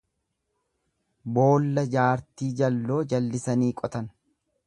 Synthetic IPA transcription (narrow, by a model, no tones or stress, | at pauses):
bo̞ːlːɐd͡ʒaːɾt̪iːd͡ʒɐlːo̞ːd͡ʒɐlːɪsɐniːkʼɔt̪ɐn